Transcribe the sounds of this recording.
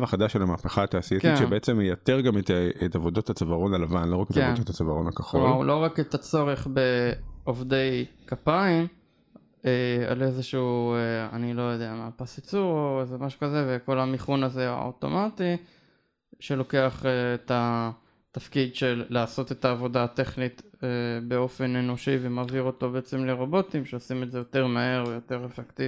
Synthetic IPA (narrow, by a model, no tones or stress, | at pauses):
vaχad̪aʃelamaːpeχaːt̪aːsiekiʃebeet͡semejateʁɡamet̪etavo̞d̪othat͡savaʁo̞nalavanlo̞ʁaketavodot̪at͡savaʁonakaχoalʔo̞ʁaket̪at͡so̞ʁe̞χbe̞ovde̞jkapaim | ea̰le̞zeʃuueanilo̞jo̞d̪eamapasit͡suoezemaʃu̥kaze̞veko̞lamiχunaze̞a̰o̰to̞̰mati | ʃe̞lo̞ke̞aχeːta | t̪afkidʃe̞lːaːso̞te̞taːvo̞dat̪e̞χnitebe̞o̞fe̞ne̞no̞ʃivemaːviʁo̞to̞be̞et͡semle̞ʁo̞bo̞timʃeosimetzejo̞te̞ʁmae̞ʁvejo̞te̞ʁefekt̪iv